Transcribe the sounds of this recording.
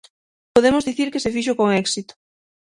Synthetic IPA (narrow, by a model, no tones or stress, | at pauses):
poðemozðiθiɾkesefiʃ̬ʊkoŋɛksit̪ʊ̥